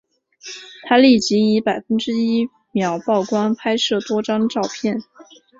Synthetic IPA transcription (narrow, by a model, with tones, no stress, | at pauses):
t̪ʰa˥li˥˩t͡ɕi˧˥i˧˥pa˨˩ɪfə˥nʈ͡ʂɻ̩˥i˥ | mjɑ˨˩˥ʊpɑ˥˩ʊkwa˥npʰa˥ɪʂɤ˥˩t̪wɔ˥ʈ͡ʂɑ˥ŋʈ͡ʂɑ˥˧ʊpʰjɛ˥˩n